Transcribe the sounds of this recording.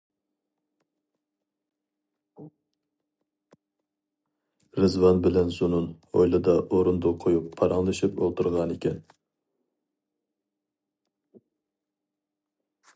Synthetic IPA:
ɾɨzvɑnbɪlɛnzunun | o̰jlˠɨd̪ɑʔoɾund̪oqʰojupʰːɑɾɑŋlˠɨʃipo̰lˠt̪ʰuɾʁɑnekʲɛn

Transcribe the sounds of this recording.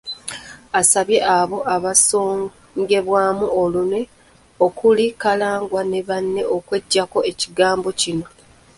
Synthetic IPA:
asaβje̞ʔaβo̞ʔaβasoː | ŋɡe̞βwaːmuo̞lune̞ | okulikalaːŋɡwane̞βanːe̞ʔokwe̞ɟːako̞e̞ciɡaːmbo̞cino̞

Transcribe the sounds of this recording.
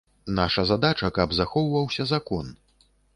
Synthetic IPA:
naʂɐzad̪at͡ʂɐkɐbzaxɔwvɐwsʲɐzakɔn

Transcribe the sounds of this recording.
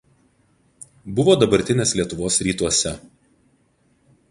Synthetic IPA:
bʊʋoːd̪ɐbɐɾʲt̪ʲɪnʲeːslʲiɛt̪ʊʋoːsɾʲiːt̪uɔsʲɛ

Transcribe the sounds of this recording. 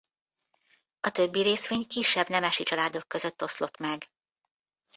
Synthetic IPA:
ɒt̪ø̞bːiɾeːsʋeːɲkiʃːɛbnɛmɛʃit͡ʃɒlaːd̪o̞kːø̞zøt̪ːo̞slo̞t̪mɛɡ

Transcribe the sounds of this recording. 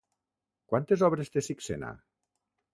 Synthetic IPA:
kwant̪ezɔβɾest̪esiksena̰

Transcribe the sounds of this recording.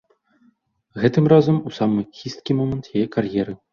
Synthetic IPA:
ɣɛt̪ɨmrazɐmusamɨxʲist̪̚kʲimɔmɛnt̪jajɛkarjɛɾɨ

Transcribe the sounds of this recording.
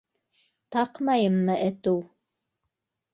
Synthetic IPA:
t̪ɑqmɑjɤmːɤʔɘ̆t̪uw

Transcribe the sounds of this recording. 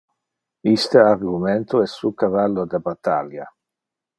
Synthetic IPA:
ist̪əarɡumɛnt̪oɛsːukavalːod̪abat̪ːalja

